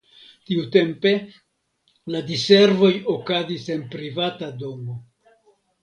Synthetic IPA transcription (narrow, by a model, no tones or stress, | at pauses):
tiute̞mpe̞ | ladise̞ɾvo̞jo̞kazise̞npɾivatado̞mo̞